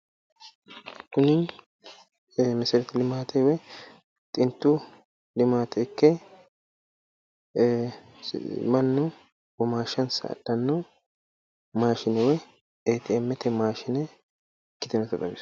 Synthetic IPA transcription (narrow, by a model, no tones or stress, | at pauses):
kʊnɪ | mɛsɛɾt̪ɪlɪmaːt̪ʰɛwɛ | t̪ʼɪnt̪ːu | lɪmaːt̪ʰɛkːɛ | mɐnːʊ | bɔmaːʃɐnsɐ̰ɐ̰dːɐnːʊ | maːʃɪnɛwɛ | eːt̪ɪɛmːɛt̪ɛmaːʃɪnɛ | kːɪt̪ɛnɛt̪ɐt̪ɐbɪs